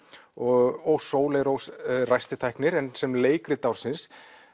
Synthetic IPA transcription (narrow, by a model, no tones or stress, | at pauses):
ɔɣowsoːwleɾowsrajst̪ɪt̪ʰajknɪɾɛnsɛmleːjkɾɪt̪awɾ̥sɪns